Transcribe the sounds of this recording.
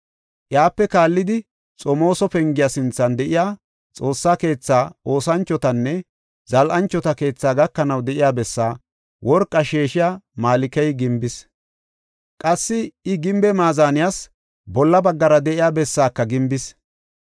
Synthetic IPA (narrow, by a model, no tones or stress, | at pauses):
ʔjaːpːɛkaːlːɪd̪ɪ | t͡sʼɔmo̞ːsɔpɛŋɡɪjasɪnt͡sːɐnd̪ɛʔɪjaː | t͡sʼo̞ːsːaːke̞ːt͡sːaːo̞ːsɐnt͡ʃːɔt̪ɐnːɛ | zɐlʔɐnt͡ʃːɔt̪ɐke̞ːt͡sːaːɡɐkːɐnɐwd̪ɛʔɪjaːbɛsːaː | wʔɔɾkʼːɐʃeːʃɪjaːmaːlɪkɛjɡɪmbɪs | kʼɐsːɪɪɡɪmbɛmaːzaːnɪjas | bɔlːɐbɐɡːɐɾɐd̪ɛʔɪjaːbɛsːaːkːɐɡɪmbɪs